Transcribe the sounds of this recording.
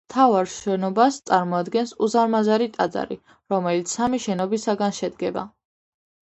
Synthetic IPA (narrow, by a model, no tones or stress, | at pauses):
mt̪ʰavaɾʃɛnɔbast̪sʼaɾmɔad̪ɡɛnsuzaɾmazaɾit̪ʼa̰d̪za̰ɾḭ | ɾɔmɛlit̪sʰamiʃɛnɔbisaɡanʃɛd̪ɡɛba̰